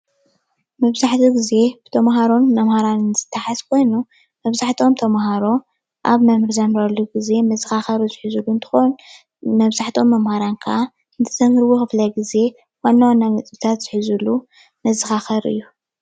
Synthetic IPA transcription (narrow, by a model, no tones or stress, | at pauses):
mɐβzaħt̪ʰiɡize̞b̥ɨt̪ʰɐmɦaɾo̞nmɐmhaɾannz̥ɨt̪ʰːaħazkʰo̞jnu | mɐβzaħt̪ʰo̞mt̪ʰɐmhaɾo̞ | ʔaβmɐmɨɾzɐmɾɐlːuɡize̞mɐzɨxaxɐɾuzɨħɨzulːuɨnt̪ʰɨ̥xon | mɐβzaħt̪ʰo̞mːɐmhaɾankʰɐʔa | ɨnt̪ʰɨzɐmɾɨwuxɨflɐɡize̞ | wanːawanːamɨt͡sʼt̪ʰat̪z̥ɨħɨzulu | mɐzɨxaxɐɾʔɨ̰jːu